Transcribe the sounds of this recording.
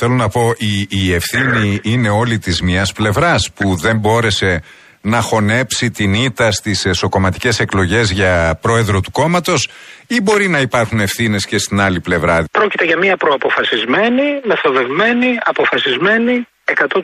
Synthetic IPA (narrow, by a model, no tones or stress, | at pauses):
θe̞lo̞nɐpo̞ʔiːe̞fθiniine̞o̞lit̪izmiɐsple̞vɾɐspuðe̞mbo̞ɾe̞se̞ | nɐxo̞ne̞psit̪init̪ɐst̪iseso̞ko̞mɐt̪i̥ce̞se̞klo̞ʝe̞zʝɐpɾo̞e̞ðɾo̞t̪uko̞mɐt̪o̞sibo̞ɾinɐipɐɾxune̞fθine̞sce̞st̪inɐliple̞vɾɐpɾo̞cit̪eʝɐmiɐpɾoɐpo̞fɐsizme̞nime̞θo̞ðe̞vme̞niɐpo̞fɐsizme̞ni | ekɐt̪o